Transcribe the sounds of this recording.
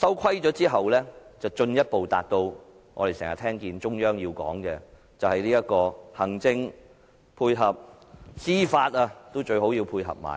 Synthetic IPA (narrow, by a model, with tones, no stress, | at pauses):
sɐ˥wkʰɐ˥jt͡ʃɔː˨˥t͡siː˥ɦɐ˨wlɛː˥t͡sɐ˨wt͡ʃɵ˧njɐ˥t̚po˨wt̪a̰ː˨t̚t̪o˧w | ŋɔ̰ː˨˧e˨jsɛ̰ː˨˩ha̰ː˨t̪ʰɛː˥ŋkiː˧nt͡ʃʊ˥ŋjœː˥ŋjiː˧wkɔ̰ː˨˥ŋkɛ˧ | t͡sɐ˨whɐ˨jliː˥jɐ˥t̚kɔː˧hɐ˨˩ŋt͡sɪ˧ŋ | pʰuː˧jɦɐ˨p̚siː˥faː˧t̚a˧t̪o˥wt͡ʃɵ˧ɥɦo˨˥wjiː˧wpʰuː˧jɦɐ̰˨p̚ma̰ː˨˩